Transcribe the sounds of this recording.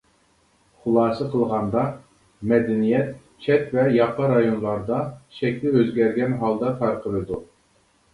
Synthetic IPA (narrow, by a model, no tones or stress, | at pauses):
χʊlˠɑːsɨqʰəlˠʁɑnd̪ɑ | mɛd̪ɛnijɛt̪̚ | t͡ʃʰɛt̪vɛjɑpɑɾɑjonlˠɑɾd̪ɑʃɛkʲt̪ɪøzɡʲɛɾɡʲɛnɦɑlˠd̪ɑt̪ʰɑɾqʰəlˠɨd̪u